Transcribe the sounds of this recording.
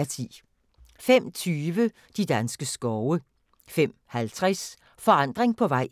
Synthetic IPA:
t͡sʰḭː | fem̰t͡sʰyːʋə | d̥id̥ænsɡ̥əsɡ̥ɒʊə | fem̰hælt͡sʰʁɛs | fɒ̽ɑ̈n̰d̥ʁeŋpʰɒ̽ʋɑ̈ɪ̰

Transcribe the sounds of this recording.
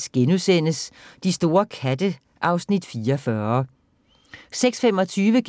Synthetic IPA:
sɡ̥enusen̰əsd̥isd̥o̝ːɐkʰæd̥ə | ʔɑ̈ʊsnid̥fiːɐfɶɐ | seɡ̥sfemɒ̽t͡sʰyːʋəɡ̥

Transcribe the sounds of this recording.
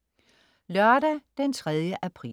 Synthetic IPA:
lɶɐɾæd̥ent͡sʰʁɛð̞ˠjəʔæpʰʁḭ

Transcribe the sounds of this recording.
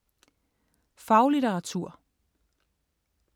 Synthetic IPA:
fɑ̈ʊliɾeʁɑ̈t͡sʰuɐ̰

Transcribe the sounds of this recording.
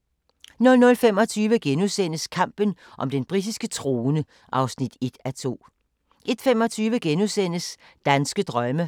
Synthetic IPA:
nɔ̽lnɔ̽lfemɒ̽t͡sʰyːʋəɡ̥enusen̰əskʰɑ̈m̰b̥ən | ʔɒ̽md̥enb̥ʁid̥isɡ̥ət͡sʰʁo̝ːnə | ʔɑ̈ʊsnid̥e̝d̥æt͡sʰo̝̰ː | ʔe̝d̥fem̰ɒ̽t͡sʰyːʋəɡ̥enuðˠsen̰əs | d̥ænsɡ̥əd̥ʁɶmə

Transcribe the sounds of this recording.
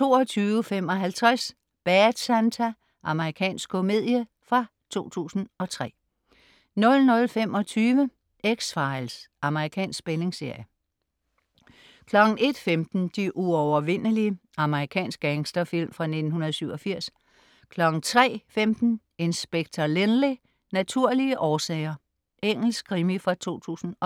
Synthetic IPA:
t͡sʰo̝ːɒt͡sʰyːʊəfem̰ɒ̽ɦælt͡sʰʁas | b̥æd̥sænt͡sʰæ | ʔɑ̈məʁikʰɛ̰ːnsɡ̥kʰome̝ð̞̰ˠjə | fʁɑ̈ | t͡sʰo̝̰ːt͡sʰṵːsn̩ɒ̽t͡sʰʁɛ̰ː | nɔ̽lnɔ̽lfem̰ɒ̽t͡sʰyːʋə | eɡ̥sfɑ̈ɪlsʔɑ̈məʁikʰɛ̰ːnsɡ̥b̥ele̝ŋse̝ɐ̰jə | kʰlɒ̽ɡ̥n̩e̝d̥femd̥n̩d̥iʔuɒʊɐʋe̝n̰əliə | ɑ̈məʁikʰɛ̰ːnsɡ̥æŋsd̥ɐfil̰mfʁɑ̈ne̝d̥n̩hunɐðˠsyʊɒ̽fiɐ̰s | kʰlɒ̽ɡ̥n̩t͡sʰʁɛ̰ːfemd̥n̩ | e̝nsb̥eɡ̥̚t͡sʰɐlenli | næt͡sʰuɐ̰liəʔɒːsɛ̰ɪɐ | eŋ̰l̩sɡ̥̚kʰʁimifʁɑ̈t͡sʰo̝̰ːt͡sʰṵːsn̩ɒ̽

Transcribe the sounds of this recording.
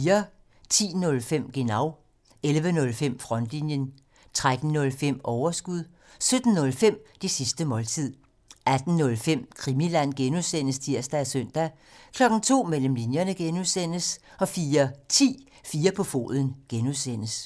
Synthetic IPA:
iːɐ | t͡sʰḭːnɔ̽lfem̰ɡ̥e̝nɑ̈ʊ | elʋənɔ̽lfem̰fʁɒ̽n̰d̥linjən | t͡sʰʁad̥n̩nɔ̽lfem̰ɒʊɐsɡ̥uðˠ | sød̥n̩nɔ̽lfem̰d̥esisd̥əmɒ̽lt͡sʰið̰ˠ | æd̥n̩ːɔ̽lfem̰kʰʁimilæn̰ɡ̥enuðˠsen̰əst͡sʰiɐ̰sd̥æsøn̰d̥æ | kʰlɒ̽ɡ̥n̩t͡sʰo̝̰ːmel̰m̩linjɐnəɡ̥enuðˠsen̰əsɒ̽fiːɐt͡sʰḭː | fiːɐpʰɒ̽fo̝̰ːðˠən̩ɡ̥enuðˠsen̰əs

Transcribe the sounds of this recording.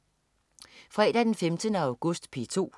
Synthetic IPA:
fʁɛ̰ːd̥æd̥enfemd̥ənəɑ̈ʊɡ̥ɔsd̥pʰit͡sʰo̝̰ː

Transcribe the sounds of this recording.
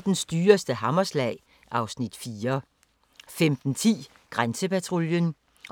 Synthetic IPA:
d̥ensd̥yːɐsd̥əɦɑmɐslɛ̰ːɪ | ʔɑ̈ʊsnid̥fiːɐ | femd̥n̩t͡sʰḭː | ɡ̥ʁansəpæt͡sʰʁoljən

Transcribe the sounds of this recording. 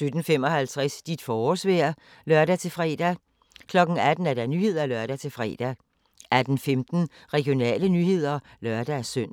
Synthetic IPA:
sød̥n̩fem̰ɒ̽hælt͡sʰʁɛsd̥id̥fɒːsʋeɐ | lɶɐɾ̥æt͡sʰe̝lfʁɛ̰ːd̥æ | kʰlɒ̽ɡ̥n̩æd̥n̩æɐdæɐnyːhe̝ð̰ˠɐælɶɐd̥æt͡sʰe̝lfʁɛ̰ːd̥æ | ʔæd̥n̩femd̥n̩ | ʁɛɡ̥ijo̝nɛ̰ːlənyhe̝ð̞̰ˠɐlɶɐ̰d̥æsøn̰

